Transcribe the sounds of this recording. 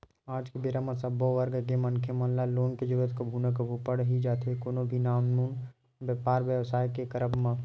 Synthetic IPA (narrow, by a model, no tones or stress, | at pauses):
aːd͡ʒkebeːɾamãsəboʋəɾɡəkemɐnkʰemɐnlaloːnked͡ʒəɾuət̪ʰkobʱunəkbʱupəɽɦid͡ʒaːt̪ʰekoːnobʱinaːmnuːn | bjəpaːɾʋjəʋsaːjkekəɾəbmã